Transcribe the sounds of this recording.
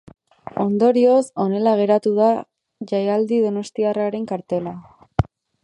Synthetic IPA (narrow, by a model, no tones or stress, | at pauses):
o̞nd̪o̞ɾio̞so̞ne̞laɣ̞e̞ɾat̪uða | ʝajald̪iðo̞no̞st̪iaraɾe̞ŋkaɾt̪e̞la